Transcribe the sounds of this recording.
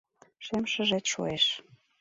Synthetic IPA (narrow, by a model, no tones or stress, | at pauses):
ʃemʃə̆ʒet̪ʃo̰eʃ